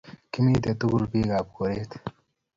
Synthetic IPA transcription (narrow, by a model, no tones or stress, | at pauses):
kimiːt̪et̪uɡulpiːɡaːp̚koɾeːt̪